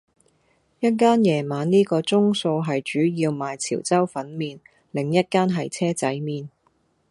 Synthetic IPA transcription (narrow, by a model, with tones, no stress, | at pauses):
jɐ˥t̚kaː˥njɛː˨˩maː˨˧nniː˥kɔː˧t͡sʊ˥ŋso˧wɦɐ˨jt͡ʃyː˨˥jiː˧wmaː˨jt͡sʰḭː˨˩wt͡sɐ˥wfɐ˨˥nmiː˨n | lɪ˨˩ŋjɐ˥t̚kaː˥nɦɐ˨jt͡sʰɛː˥t͡sɐ̰˨˥jmiː˨n